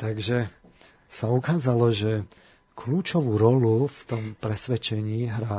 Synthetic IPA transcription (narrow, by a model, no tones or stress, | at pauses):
t̪aɡʒɛ | saukaːzalɔʒɛ | kʰluːt͡ʃɔʋuːɾɔluft̪ɔmpɾɛsʋɛt͡ʃɛɲiːɦɾa